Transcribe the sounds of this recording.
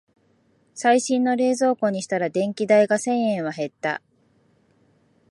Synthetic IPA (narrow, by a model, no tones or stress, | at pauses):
saiɕĩnːo̞ɾe̞ːzo̞ːko̞ːɲ̟iɕi̥t̪aɾad̪ẽ̞ŋkʲid̪aiɡasẽ̞ɰ̃ẽ̞ɰ̃βaɦe̞t̪ːa̰